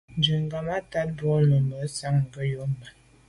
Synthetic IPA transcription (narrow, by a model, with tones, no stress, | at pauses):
n˦d͡ʒə˨ŋ˨ɡa˨ma˦ta˦t̚bo˦nə˨mbə˨˦sa˦ŋ̩˨ɡə˦jo˦mba˨